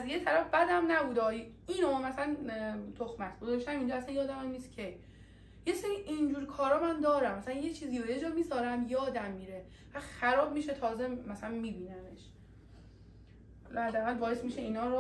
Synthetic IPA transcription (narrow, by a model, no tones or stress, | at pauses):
æzjet̪ʰæɾæfbæd̪æmnæbuːd̪ɒːj | iːnomæsælænt̪ʰoxmæt̪ʰɡ̥ozɒʃt̪æmind͡ʒɒæsænjɒːd̪æmæmniːst̪kʲʰej | je̞seɾiːʔind͡ʒuːɾkʰɒːɾɒːmænd̪ɒːɾæmæsælænjet͡ʃʰiːziːjojed͡ʒɒːmiːsɒːɾæmjɒːd̪æmːiːɾe | væd̪xæɾɒːbmiːʃet̪ʰɒːzemæsælænmiːbiːnæmeʃ | æd̪æʁældbɒːjesmiːʃeiːnɒːɾo